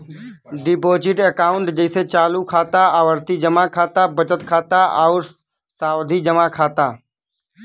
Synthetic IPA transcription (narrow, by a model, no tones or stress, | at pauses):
ɖɪpoːt͡ʃiʈekaːʊ̃ɳʈd͡ʒəɪset͡ʃaːlukʰaːt̪aaʋəɾt̪id͡ʒəmãkʰaːt̪abət͡ʃət̪kʰaːt̪aʔaʊɾ | saːʋd̪ʱid͡ʒəmãkʰaːt̪aː